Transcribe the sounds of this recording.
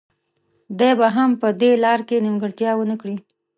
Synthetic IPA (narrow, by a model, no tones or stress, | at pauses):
d̪ajbaɦampəd̪elɑɾkenimɡəɽt̪jɑwənəkɽi